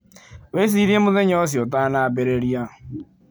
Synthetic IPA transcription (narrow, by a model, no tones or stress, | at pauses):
wes̬iːɾiemʊðeɲɔs̬iot̬anabeɾeɾia